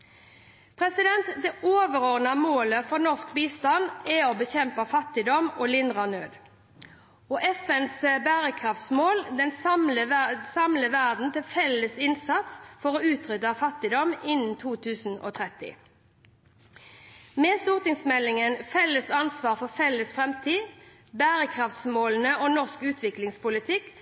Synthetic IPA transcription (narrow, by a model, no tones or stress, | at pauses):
pʰʁɛsɪd̪ɛnt̪d̪ɛʔoːʋəɾoːʁnɑmoːləfɔʁnɔʁsk̚biːst̪ɑnd̪ɛobəçɛmpɑfɑt̪ɪd̪ɔmoːlɪnd̪ʁɑnøːd̪ | ɔːʔɛfɛnsbæːʁəkʰʁɑft̪smoːld̪ɛnsmləsɑmləʋæʁd̪n̩t̪ɪlfɛlːəsɪnsɑt̪sfɔʁoːʉːt̪ʁʏt̪ɑfɑt̪ɪd̪ɔmɪnn̩t̪ʰuːt̪ʰʉːsn̩o̰ːt̪ʰʁɛt̪ɪ̰ | mɛːst̪uːʁt̪ɪŋsmɛlːɪŋənfɛlːəsɑnsʋɑːʁfɔʁfɛlːəsfʁɛmt̪ʰiː | bæːʁəkʰʁɑft̪smoːln̩əoːnɔʁskʉːt̪ʰʋɪklɪŋspʊlɪt̪ʰɪkː